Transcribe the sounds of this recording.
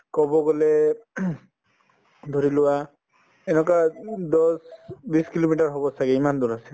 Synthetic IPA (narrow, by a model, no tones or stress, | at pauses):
kɔbɔɡɔle | d̪ʱɔɾiluwa | enɔkad̪ɔsbiskilomiʈaɾɦɔbɔsaɡeimand̪uɾase̥